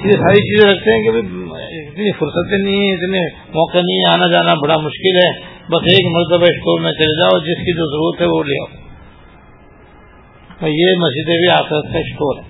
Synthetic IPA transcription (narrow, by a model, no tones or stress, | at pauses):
jesaːɾit͡ʃiːzẽɾɐk̚ʰt̪eɦɛ̃kibʱiɪt̪nifʊɾsət̪ẽnɐĩɦɛ̃ɪt̪ne | mɔːqenɐĩɦɛ̃aːnad͡ʒaːnabɐɽamʊʃkɪlɦɛːbɐseːkmɐɾt̪əbaɪsʈoːɾmẽt͡ʃɐled͡ʒaːoːd͡ʒɪskid͡ʒoːzɐɾuːɾət̪ɦɛʋolḛa̰ːo | jemɐzd͡ʒɪd̪ebʱiaːxɪɾət̪kaɪsʈoːɾɦɛː